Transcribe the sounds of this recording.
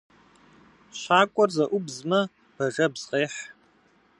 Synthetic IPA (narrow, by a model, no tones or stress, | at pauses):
ɕʷaːkʷʼɔrzɐʔʷʊbzmɐ | b̥ɐʒɐbz̥qeːħ